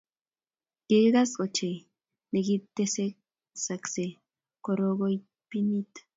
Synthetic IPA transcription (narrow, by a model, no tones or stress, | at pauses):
iɡasot͡ʃe | neɡit̪ːesek | sakse | koɾoɣoj | pinit̪